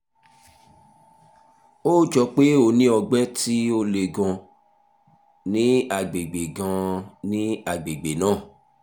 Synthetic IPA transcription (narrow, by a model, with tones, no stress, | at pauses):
oː˦˨d͡ʒɔ˧k͡pe˦o˦˨nĩ˦ɔ˧ɡ͡bɛ˦ti˦o˦le˨ɡã˧ | nĩ˦a˨ɡ͡be˨ɡ͡be˨ɡã˧nĩ˦a˨ɡ͡be˨ɡ͡be˨nãː˦˨